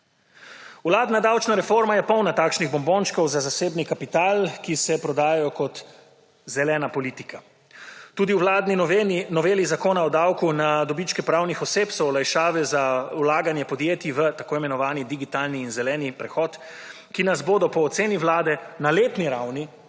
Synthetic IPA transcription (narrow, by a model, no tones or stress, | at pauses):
wlaːd̪nad̪awt͡ʃnaɾɛfoɾmajɛpɔwnat̪aːkʃniɣbɔmboːnt͡ʃkɔwzazaseːbnikapit̪aːlkisɛpɾɔd̪aːjajɔkɔt̪ | zɛlɛːnapɔliːt̪ikʰa | t̪uːd̪iwwlad̪ninɔʋeːlizakoːnaɔd̪awkunad̪ɔbit͡ʃkɛpɾawnixɔseːpsɔwɔlajʃaːʋɛzawlaːɡanjɛpɔd̪jeːt̪iʋət̪akoːimɛnɔʋaːnid̪iɡit̪aːlniːnzɛlɛːnipɾɛxɔːt̪ | kinazboːd̪ɔpɔːt̪seːniwlaːd̪ɛnaleːt̪niɾawni